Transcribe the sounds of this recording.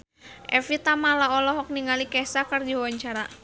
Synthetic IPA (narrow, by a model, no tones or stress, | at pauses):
ʔɛfit̪amalaɔlɔɦɔk̚niŋalikɛsakɨrd͡ʒiwaɲt͡ʃaɾa